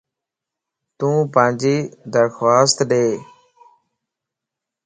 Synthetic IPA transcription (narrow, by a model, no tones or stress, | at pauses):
t̪ũːpãːnd͡ʒiːd̪əɾxwaːst̪ɗeː